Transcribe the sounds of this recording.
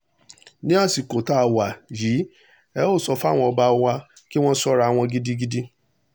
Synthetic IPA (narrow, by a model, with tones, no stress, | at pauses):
nĩ˦a˦˨si˨ko˨ta˨˦˨wa˨ji˨˦ | ɛ˨˦o˦˨sɔ˧fa˦˨w̃ɔ̃˧ɔ˧ba˧˦wa˧ | ki˦w̃ɔ̃˦sɔ˦ɾa˧˨w̃ɔ̃˧ɡi˦di˦ɡi˦di˦